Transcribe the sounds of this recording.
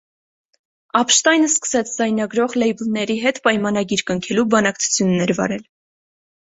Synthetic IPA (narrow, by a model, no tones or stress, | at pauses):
ɑpʃt̪ɑjnəskə̥sɛt͡sʰd͡zɑjnɑɡɾɔʁlɛjbulnɛɾiɦɛt̪pɑjmɑnɑɡiɾkəŋkʰɛlubɑnɑkt͡sʰu̥t͡sʰjunːɛɾvɑ̰ɾɛl